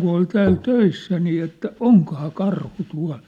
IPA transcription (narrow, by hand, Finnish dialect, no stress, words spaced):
ku ol tæːl tøisːæ niː etːæ oŋkŏhɑː kɑrhu tuɑ̝l